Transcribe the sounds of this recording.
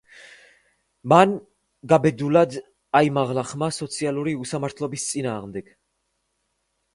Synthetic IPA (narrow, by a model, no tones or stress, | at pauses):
man | ɡabɛd̪ulad̪ | aimaʁlaχmasɔt̪sʰialˠuɾiusamaɾt̪ʰlɔbist̪sʼinaːʁmd̪ɛɡ̥